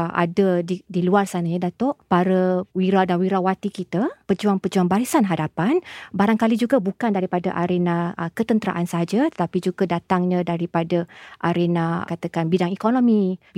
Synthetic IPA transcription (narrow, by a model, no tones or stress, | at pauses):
ʔa̰dədidiluarsanaɲadat̪ʊʔpaɾəwiɾadanwiɾawat̪ikit̪apərd͡ʒuaŋpəd͡ʒuaŋbaɾisanɦadapanbaɾaŋkalid͡ʒuɡabukandaɾipadaʔaɾenaəkət̪ənt̪əɾa̰ʔansaɦad͡ʒat̪ə̥t̪apid͡ʒuɡadat̪aŋɲãdaɾipadaʔaɾenakat̪akanbidaŋikonõmib